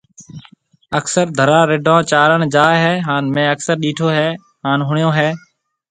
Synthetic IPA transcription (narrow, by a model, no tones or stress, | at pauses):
əksəɾd̪ʱəɾaːɾɪɖʱãːt͡ʃaːɾəɳd͡ʒaːɦɛːɦaːnmẽːəksəɾɗiːʈʰoːɦɛː | ɦaːnɦʊɳɪjõːɦeː